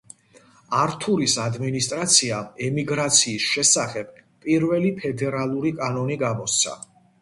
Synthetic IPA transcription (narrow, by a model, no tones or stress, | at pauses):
aɾt̪ʰuɾisad̪minist̪ʼɾat̪sʰiaɛmiɡɾat̪sʰiːsʃɛsaχɛbpʼiɾvɛlipʰɛd̪ɛɾalˠuɾikʼanɔniɡamɔst̪sʰa̰